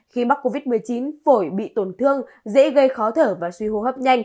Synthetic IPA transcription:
xi˧ma˦˥k̚o˧vi˦˥t̚mɨ˨˩əjt͡ɕi˨˦nfo˧˩jɓḭ˧˨t̪o˨˩nt̪ʰɨ˧əŋ | zḛ˧˥ɣə˧jxɔ˨˦t̪ʰəː˧˩vaː˨˩swi˧ho̰˧˨ɦəː˦˥p̚ɲa˧jŋ̟

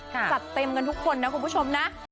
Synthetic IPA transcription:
sa˨˩t̚t̪e˧mka˧nt̪ʰu˦˥kʰːo˧nːa˦˥kʰu˧mpu˦˥t͡ɕʰo˧mna˦˥ʔ

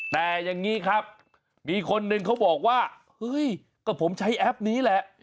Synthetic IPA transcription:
t̪ɛː˨˩ja˧ŋːiː˦˥kʰa˦˥p̚ | miː˧kʰo˧nːɯ˧ŋkʰa˦˥wbɔː˨˩k̚waː˥˩ | hɤ˦˥˩j | kɔː˧˩pʰo˩˦mt͡ɕʰa˦˥jʔɛ˦˥p̚niː˦˥lɛ˨˩ʔ

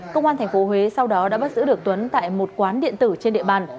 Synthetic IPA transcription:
kə˧wŋ͡mʔaː˧t̪ʰŋ̟fo˨˦ɦwe˨˦sa˧wɗɔ˨˦ɗa̰ː˧˥ɓə˦˥t̚zɨ̰˧˥ɗɨ˨˩ək̚t̪wə˨˦nt̪a̰ː˧˨jmo˨˩t̚kwaː˨˦nɗḭ˧˨ənt̪ɨ˧˩t͡ɕe˧nɗḭ˧˨əɓaː˧˩n

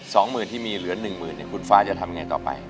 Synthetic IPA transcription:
sɔː˩˦ŋmɯː˨˩nt̪ʰiː˥˩miː˧lɯ˩˦ɐnɯ˨˩ŋmɯː˨˩nːḭ˧˩kʰu˧˩nfaː˦˥t͡ɕa˨˩t̪ʰa˧mŋaː˧jt̪ɔ̰ː˨˩pa̰˧j

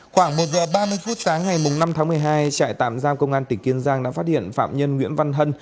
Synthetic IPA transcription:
xwaː˧˩ŋmo˨˩t̚zə̰ː˨˩ɓaː˧mɨ˧əjfu˦˥t̚saː˨˦ŋŋa˨˩jmʊ˨˩ŋ͡mna˧mt̪ʰaː˨˦ŋmɨ˨˩əjɦaː˧jt͡ɕa̰ː˧˨jt̪a̰ː˧˨mzaː˧mkə˧wŋ͡mʔaː˧nt̪ï˧˩ŋki˨˦ənzaː˧ŋɗa̰ː˧˥faː˦˥t̚hḭ˧˨ənfa̰ː˧˨mɲə˧nŋwḭ˧˥ənva˧nɦə˧n

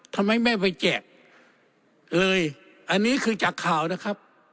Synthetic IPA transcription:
t̪ʰa˧mːa˦˥jmɛ˥˩pa˧jt͡ɕɛː˨˩k̚ | lɤː˧j | ʔa˧nːiː˦˥kʰɯː˧t͡ɕaː˨˩kʰːaː˨˩wna˦˥˩kʰa˦˥p̚

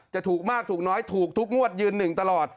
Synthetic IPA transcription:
t͡ɕa˨˩t̪ʰuː˨˩k̚maː˥˩k̚t̪ʰuː˨˩nɔː˦˥jt̪ʰuː˨˩k̚t̪ʰu˦˥k̚ŋu˥˩ət̪̚jɯː˧nːɯ˨˩ŋt̪a˧lɔː˨˩t̪̚

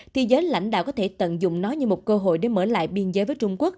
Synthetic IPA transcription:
t̪ʰi˨˧˩zəː˨˦jla̰˧˥jŋ̟ɗa̰ː˧˨wkɔ˨˦t̪ʰe˧˩t̪ə̰˧˨nzʊ̰˧˨ŋ͡mnɔ˨˦ɲɨ˧mo˨˩t̚kəː˧ɦo̰˧˨jɗe˧˩məː˧˩la̰ː˧˨jɓi˧ənzəː˨˦jvəː˨˦jt͡ɕʊ˧ŋ͡mku˦˥ək̚

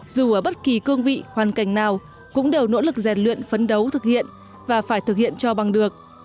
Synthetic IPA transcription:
zu˨˩ʔəː˧˩ɓə˦˥t̚ki˨˩kɨ˧əŋvḭ˧˨hwaː˨˩nka˧˩jŋ̟naː˨˩w | kʊ̰˧˥ŋ͡mɗe˨˩wno̰˧˥lɨ˨˩k̚zɛ˨˩t̚lwḭ˧˨ənfə˨˦nɗə˨˦wt̪ʰɨ˨˩k̚hḭ˧˨ən | vaː˨˩faː˧˩jt̪ʰɨ˨˩k̚hḭ˧˨ənt͡ɕɔ˧ɓa˨˩ŋɗɨ˨˩ək̚

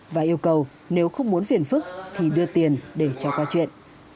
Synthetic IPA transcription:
vaː˨˩ʔi˧əwkə˨˩w | ne˨˦wxə˧wŋ͡mmu˨˦nfi˨˩ənfɨ˦˥k̚t̪ʰi˨˩ɗɨ˧ət̪i˨˩ənɗe˧˩t͡ɕɔ˧˩kwaː˧t͡ɕwḭ˧˨ənʔ

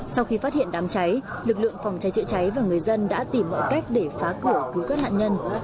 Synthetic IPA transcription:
sa˧wxi˧faː˦˥t̚hḭ˧˨ənɗaː˨˦mt͡ɕa˨˦jlɨ˨˩k̚lɨ̰˧˨əŋfa˧˨˩wŋ͡mt͡ɕa˨˦jt͡ɕɨ̰˧˨t͡ɕa˨˦jvaː˨˩ŋɨ˨˩əjzə˧nɗa̰ː˧˥t̪i˧˩mːɔ̰˧˨jka˦˥jk̟̚ɗe˧˩faː˨˦kɨ˧˩əki˨˦wka˦˥ha̰ː˧˨nɲə˧n

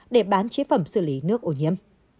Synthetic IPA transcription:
ɗe˧˩ɓaː˨˦nt͡ɕi˨˦fə˧˩msɨ˧˩li˨˦nɨ˦˥ək̚ʔo˧˩ɲi˧əm

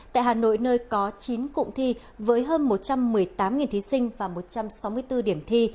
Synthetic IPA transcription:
t̪a̰ː˧˨jhaː˨˩no̰˧˨jnəː˧jkɔ˨˦t͡ɕi˨˦nkʊ̰˧˨ŋ͡mt̪ʰi˧ | vəː˨˦jɦəː˧nmo˨˩t̚t͡ɕa˧mːɨ˨˩əjt̪aː˨˦mŋi˨˩nt̪ʰi˨˦sï˧ŋ̟vaː˨˩mo˨˩t̚t͡ɕa˧msa˨˦wmɨ˧əjt̪ɨ˧ɗi˧˩əmt̪ʰi˧

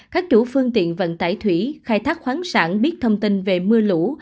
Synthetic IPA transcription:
kaː˦˥k̚t͡ɕu˧˥fɨ˧əŋt̪ḭ˧˨ənvə̰˧˨nt̪aː˧˩jt̪ʰwi˧˩xaː˧jt̪ʰaː˦˥k̚xwaː˨˦nsa̰ː˧˩nɓi˦˥ət̚t̪ʰə˧wŋ͡mt̪i˧nve˨˩mɨ˧əlṵ˧˥

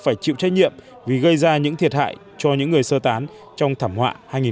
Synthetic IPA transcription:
faː˧˩jt͡ɕḭ˧˨wt͡ɕaː˦jɲḭ˧˨əm | vi˨˩ɣə˧jzaː˧ɲɨ̰˧˥ŋt̪ʰi˨˩ət̚ha̰ː˧˨j | t͡ɕɔ˧ɲɨ̰˧˥ŋːɨ˨˩əjsəː˧t̪aː˨˦n | t͡ɕɔ˧wŋ͡mt̪ʰaː˧˩mhwa̰ː˧˨haː˧jŋi˨˩

